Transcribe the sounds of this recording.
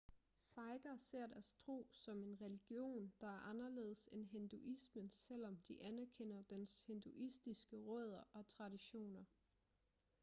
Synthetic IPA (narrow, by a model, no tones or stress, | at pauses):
sɑ̈ɪɡ̥ɐse̝ɐ̰dæɐst͡sʰʁo̝̰ːsɒ̽me̝nʁɛliɡ̥jo̝̰ːnd̥ɑ̈æɐʔɑ̈nɐle̝̰ːðˠsenɦend̥uʔismənsel̰ɒ̽md̥iʔænæɐkʰen̰ɐd̥enshe̝nd̥uʔisd̥isɡ̥əʁɔð̞̰ˠɐʔɒ̽t͡sʰʁɑ̈diɕo̝̰ːnɐ